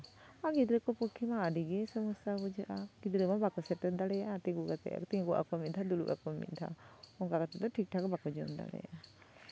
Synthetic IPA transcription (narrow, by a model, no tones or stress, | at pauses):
aɡid̪ɾɛkɔpɔkʰːimaːɖiɡɛsɔmɔsabɔd͡ʒəʔaɡ̥id̪ɾɛmabakɔsɛʈɛd̪alɛjat̪iŋɡuɡat̪ɛ̰ʔa̰kt̪iŋɡuʔa̰kɔmit̪d̪ʰad̪ulṵʔa̰kɔmḭt̪d̪ʰa̰ɔŋkakat̪ɛd̪ɔʈʰik̚ʈʰakɔbakɔd͡ʒɔmd̪a̰lɛ̰ja̰ʔa